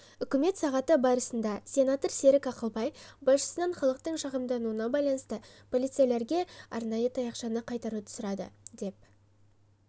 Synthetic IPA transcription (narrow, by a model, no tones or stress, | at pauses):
ʏkʲɪme̞t̪sɑʁɑt̪əbɑɾəsənd̪ɑsʲe̞nat̪oɾse̞ɾɪkɑqəlˠbɑjbɑsʃə̥sənɑnχɑlˠəq̚t̪əɴʃɑʁəmd̪ɑnuənɑbɑjlˠɑnəst̪əpʰo̞lˠijt̪sɨijele̞ɾɡʲe̞ɑ̰ɾnɑjət̪ʰɑjɑqʃɑnəqʰɑjt̪ɑɾut̪ʰʊ̥səɾɑd̪ə̰d̪e̞p̚